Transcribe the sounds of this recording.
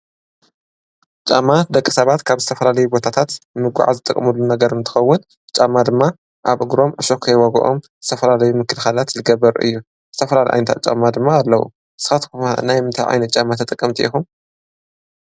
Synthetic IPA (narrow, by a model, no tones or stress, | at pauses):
t͡ʃʼa̰mːad̪ɐkʼːisɐβat̪kʰaβzɨ̥t̪ʰɐfɐlalɐjubo̞t̪ʰat̪ʰat̪mɨɡʷa̰ʕa̰zɨt̪ʼɨkʼːɐmulːunɐɡɐɾɨnt̪ʰɨ̥xɐwːʊn | t͡ʃʼamːad̪ɨmːa | ʔaβʔɨɡɾo̞mʔɨʃokʰɐjwɐɡɐ̰ʔo̰mz̥ɨt̪ʰɐfɐlalɐjumɨkʰɨlxalat̪lɨɡɐbɐɾʔɨ̰jːu | z̥ɨt̪ʰɐfɐlalɐjʔa̰nt̪ʰa̰t͡ʃʼa̰mːad̪ɨmːaːlːɐwṵ | ɨsɨ̥xat̪kumanajmɨnt̪ʰajʕa̰jnɐt̪̚t͡ʃʼamːat̪ʰɐt̪ʼɨkʼːɐmt̪ʰiʔixum